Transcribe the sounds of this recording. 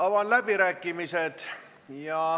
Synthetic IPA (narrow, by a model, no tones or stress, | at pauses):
ɑʋɑnlæb̥iɾæːkːˑimised̪̥ | jɑ